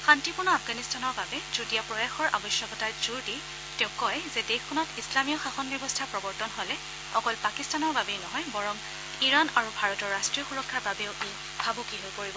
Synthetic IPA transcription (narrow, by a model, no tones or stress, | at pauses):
xantipuɹnɔafɡanistanɔɹbabɛzudijapɹɔjaxɔɹʔa̰bɔsjɔkɔtaɹz̥uɹdi | tɛ̃ʊ̃kɔjzɛdexʰɔnɔtislamijɔxaxɔnbjɔbɔstʰapɹɔbɔɹtɔnɦɔlɛ | ɔkɔlpakistanɔɹbabɛnɔɦɔjbɔɹɔm | iɹanaɹubʱaɹɔtɔɹːastɹijɔxuɹɔkʰːaɹbabɛʊʔe | bʱabukiɦojpoɹibɔ